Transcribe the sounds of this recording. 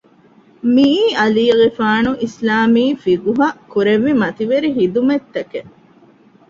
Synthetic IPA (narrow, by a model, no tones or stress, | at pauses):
miːɐliːɣifaːnuʔislaːmiːfiɡuɦɐkuɾeʋːimɐt̪iʋeɾiɦid̪umet̪ːɐke